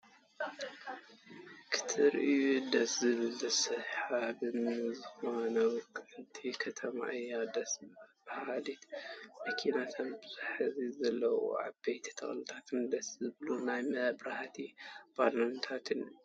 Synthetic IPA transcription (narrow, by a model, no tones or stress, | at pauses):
kʰɨ̥t̪ʰɨɾʔɨjud̪ɐszɨβɨld̪ɐsɐħabɨmɨzɨhanowkʰɨɨt̪ʰikʰɐt̪ʰɐma̰ʔjad̪ɐsbɐhalit̪mɐkʰinat̪ʰɐnbɨzaħzizɐlːɐwṵʕa̰bɐjt̪ʰi̥t̪ʰɐ̰xlɨt̪ʰat̪ʰɨnd̪ɐszɨβlunajmɐbɾaht̪ʰib̥alont̪ʰat̪ʰɨn